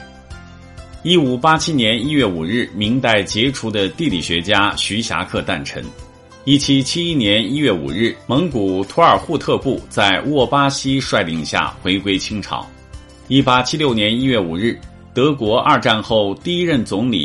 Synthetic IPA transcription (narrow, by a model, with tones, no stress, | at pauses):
i˥˩u˨˩pa˥t͡ɕʰi˥njɛ˧˥ni˥ɥɛ˥˩u˨˩ɻɻ̩˥˩mi˧˥ŋt̪a˥˩ɪt͡ɕjɛ˧˥ʈ͡ʂʰu˧˥d̪ə˧t̪i˥˩li˨˩ɕɥɛ˧˥t͡ɕja˥ɕy˧˥ɕja̰˧˥kʰɤ˥˧t̪a˥˩nʈ͡ʂʰə̰˧˥ŋ | i˥˩t͡ɕʰi˥t͡ɕʰi˥i˥njɛ˧˥ni˥ɥɛ˥˩ṵ˨˩ɻɻ̩˥˩mɤ˧˥ŋku˨˩t̪ʰu˧˥ə˞˨˩xu˥˧t̪ʰɤ˥˧pu˥˩t͡sa˥˧ɪwɔ˥˩pa˥ɕi˥ʂwa˥˧ɪli˧˥˧ŋɕja̰˥˩xwe˧˥ɪkwe˥ɪt͡ɕʰi˥ŋʈ͡ʂʰɑ̰˨˩˦ʊ | i˥˩pa˥t͡ɕʰi˥ljo˥˩ʊnjɛ˧˥ni˥ɥɛ˥˩u˨˩ɻɻ̩˥˩ | t̪ɤ˧˥kwɔ˧˥ʔɐ˥˧ʈ͡ʂa˥˧nxo˥˧ʊt̪i˥˧i˥ɻə˥˩nt͡sʊ˧˥ŋlḭ˨˩